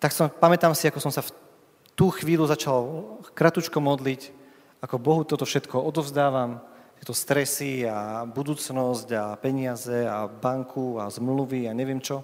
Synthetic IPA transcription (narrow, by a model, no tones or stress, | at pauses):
t̪aksɔpamɛt̪aːmsiakɔsɔmsaf | t̪uːxʋiːluzat͡ʃalkɾat̪ut͡ʃkɔmɔd̪lic | akɔbɔɦut̪ɔt̪ɔfʃɛt̪kʰɔɔd̪ɔvzd̪aːʋamt̪ɪɛt̪ɔst̪ɾɛsiabud̪uːt͡snɔzɟapɛɲɪazɛabaŋkʰuazmluʋiaɲɛʋɪɛmt͡ʃɔ